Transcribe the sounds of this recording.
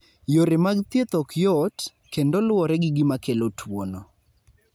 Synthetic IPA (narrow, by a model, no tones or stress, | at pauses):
joɾemaɡt̪jet̪ɔkjɔt | kendɔlwɔɾɛɡɪɡɪmakelotʰwonɔ